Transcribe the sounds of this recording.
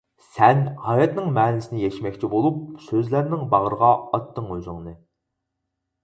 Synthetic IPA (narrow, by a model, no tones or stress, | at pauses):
sɛnhɑjɑt̪nɨŋmɛːnɪsɪnɪjɛʃmɛkʲt͡ʃʰibolˠup̚søzlæɾnɪŋbɑʁəɾəʁɑɑt̪ʰːɨŋøzɪŋnɨ